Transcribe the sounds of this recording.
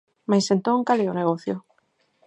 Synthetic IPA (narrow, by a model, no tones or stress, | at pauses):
majsent̪õŋkaleoneɣ̞oθjo